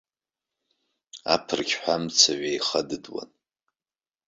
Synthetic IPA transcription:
a̰pʰɨrkʲʰħʷᶣamt͡sʰaʕejχədɨdwa̰n

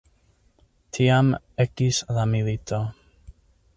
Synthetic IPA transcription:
tʰiam | ɛkisðamiðit̪ʰɔ

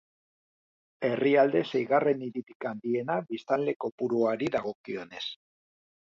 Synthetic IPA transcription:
e̞riald̪e̞sejɣare̞niɾit̪ikand̪ie̞naβist̪anle̞ko̞puɾuaɾiðaɣ̞o̞kio̞ne̞s

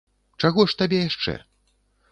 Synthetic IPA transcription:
t͡ʂaɣɔʂt̪abʲɛjaʂt͡ʂɛ̰

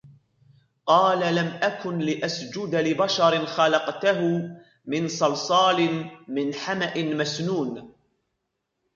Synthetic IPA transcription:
qɑːlalamʔakʊnlɪʔasd͡ʒʊd̪alɪbaʃɑɾɪnxalɑqt̪aɦʊ | mɪnsɑlsˤɑːlɪnmɪnħamaʔɪnmasnuːn

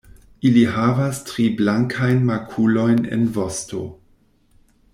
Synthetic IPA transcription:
iliɦavastɾiblaŋkʰajnmakʰulo̞jnḛnvosto̰

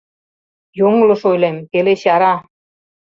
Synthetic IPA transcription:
joŋlŏʃojlemkeleɕɑɾɑ

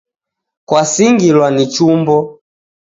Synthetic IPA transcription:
kwasiŋɡilwanit͡ʃumbɔ

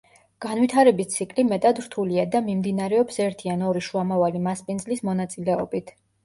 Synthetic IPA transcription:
ɡ̥anvit̪ʰaɾɛbist̪sʰikʼlimɛt̪ʼad̪ɾt̪ʰuliad̪amimd̪inaɾɛɔpsɛɾt̪ʰianɔɾiʃuamavalimaspʼinzlismɔnat̪sʼilɛɔbit̪ʰ

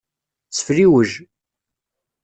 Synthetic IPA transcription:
t͡sːə̥fliwəʒ

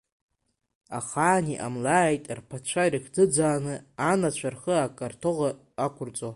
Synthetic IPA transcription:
aχaːniʔa̰mlaːjtʼrpʰat͡ɕʷʰarɨkʰd͡zɨd͡zaːnɨanat͡ɕʷʰarχəakʼartʰoʁa | akʷʰʊrt͡sʼo

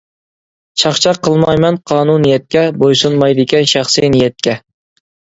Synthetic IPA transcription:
ʃɑχt͡ʃʰɑqʰːəlˠmɑjmɛnqʰɑːnunijɛt̪̚kʲɛbojsunmɑjd̪ɪkʲɛnʃɑχsɨnijɛt̪̚kʲɛ

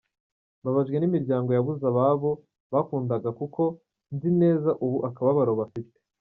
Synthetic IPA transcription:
βaβaʒɡwe̞nimiɾɟaːŋɡo̞jaβuzaβaβo̞ | βakuːndaɡakuko̞ | nzine̞ːzaʔuβuʔakaβaβaɾoβafite̥

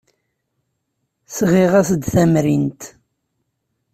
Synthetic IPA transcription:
sʁiʁæsd̪θæmɾint̪

